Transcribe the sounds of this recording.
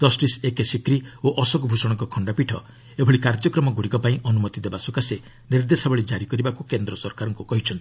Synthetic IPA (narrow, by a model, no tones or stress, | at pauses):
d̪̥ɔsʈisekesikɾioʔɔsɔkɔbʱusɔɽ̃ɔŋkɔkʰɔɳɖapiʈʰɔ | ebʱɔɭikaɾd͡ʒɔkɾɔmɔɡuɽikɔpaĩʔɔnumɔt̪id̪ebasɔkase | niɾd̪esabɔɭid͡ʒaɾikɔɾibakukend̪ɾɔsɔɾkaɾɔŋkukɔɦit͡ʃʰɔnt̪i̥